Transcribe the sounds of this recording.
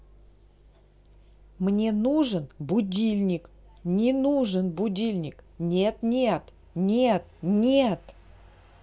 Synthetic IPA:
mnʲe̞nuʐənbʊdʲilʲnʲɪk | nʲɪnuʐənbʊdʲilʲnʲɪknʲet̪nʲet̪ | nʲet̪̚nʲet̪

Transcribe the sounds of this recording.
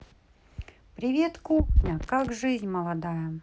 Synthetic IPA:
pɾʲɪvʲet̪kʊkakʐɨzʲnʲməlˠɐd̪ajə

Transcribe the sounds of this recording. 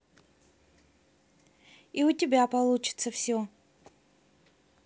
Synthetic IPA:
iʊtʲɪbʲapɐlˠut͡ɕɪ̥t̪səfsʲo

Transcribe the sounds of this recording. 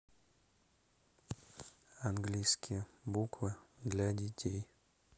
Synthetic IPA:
anɡlʲijskʲɪjəbukvɨd̪lʲadʲɪtʲʰej

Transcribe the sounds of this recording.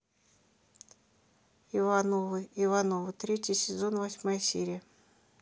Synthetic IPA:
ivanovɨivanovɨt̪ɾʲetʲɪsʲɪzonvɐsʲmajsʲḛɾʲɪjə

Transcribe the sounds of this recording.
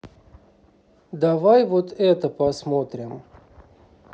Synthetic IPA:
d̪avajvot̪ɛt̪əpɐsmot̪ɾʲɪm

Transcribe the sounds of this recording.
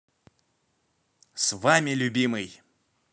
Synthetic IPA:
svamʲɪlʲʊbʲimɨj

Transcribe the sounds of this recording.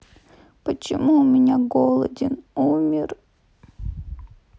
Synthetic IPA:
pət͡ɕɪmuʊmʲɪnʲaɡolˠə̰dʲɪnumʲɪr

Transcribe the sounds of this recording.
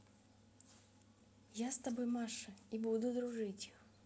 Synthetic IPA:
jast̪ɐbojmaʂɨibud̪ʊd̪ɾʊʐɨtʲi̥x

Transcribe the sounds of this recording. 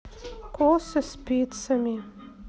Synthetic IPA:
kʰosəspʲit̪sɐmʲi

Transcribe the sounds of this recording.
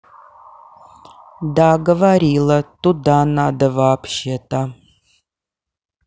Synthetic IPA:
daːɡɐvaɾiːlɐtʼudaːnaːd̪ɐvaːpʰʃetʼʰa

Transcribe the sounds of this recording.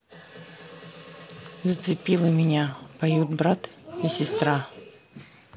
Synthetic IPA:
zət̪sɨpʲilˠɨmʲɪnʲapɐjut̪bɾat̪isʲɪst̪ɾa

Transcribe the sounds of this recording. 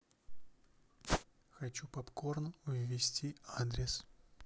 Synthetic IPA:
xɐt͡ɕupɐpkornəʊvʲvʲɪsʲtʲiad̪ɾʲɪs

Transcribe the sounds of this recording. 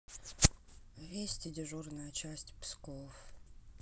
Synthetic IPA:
vʲesʲtʲɪdʲɪʐurnəjət͡ɕæsʲtʲpskof

